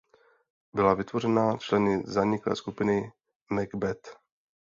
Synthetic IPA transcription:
bɪlavɪt̪vo̞ɾɛnat͡ʃlɛnɪzaɲɪklɛ̰ːskupɪnɪ | mɛɡbɛt̪

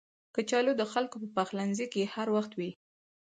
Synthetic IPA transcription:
kət͡ʃɑlod̪əxalkopəpaxlanzikehaɾwaxt̪wi

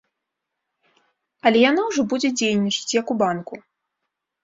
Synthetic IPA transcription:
ɐlʲɛjan̪awʐɔbud͡zʲɛd͡zʲejnʲːit͡ʂɐ̥t͡sʲjɐkubanku

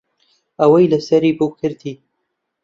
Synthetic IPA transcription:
ɐwɐjlɐsɐɾiːbɨwkʰɨɾd̪iː

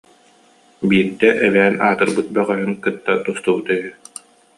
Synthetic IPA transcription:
biːɾd̪ɛʔɛlɛːnaːt̪ɯɾbɯt̪̚bœʁœɦyŋkɯt̪ːat̪ust̪ubut̪ɛɦy

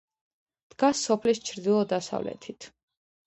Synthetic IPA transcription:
d̪̥ɡasːɔpʰlist͡ʃʰɾd̪ilˠɔd̪asa̰vlɛ̰t̪ʰit̪ʰ

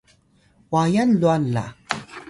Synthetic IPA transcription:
wajanluanːa̰

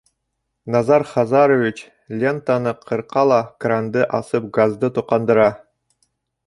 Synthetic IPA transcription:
nɑzɑɾχɑzɑɾovʲit͡ɕ | lʲent̪anɤqʰɤ̆ɾqɑlˠɑkrand̪ɤʔɑsɤp̚ɡazd̪ɤt̪ŭqɑnd̪ɤ̆ɾɑ

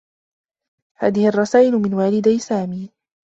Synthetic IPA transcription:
haːðɪhɪʔɑrˤːɑsaːʔɪlʊmɪnwaːlɪd̪ajsaːmiː

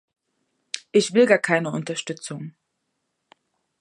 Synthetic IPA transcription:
ʔɪçv̥ɪlɡaːɐkʰaɪnəʊntɐʃtʏt͡sʊŋ

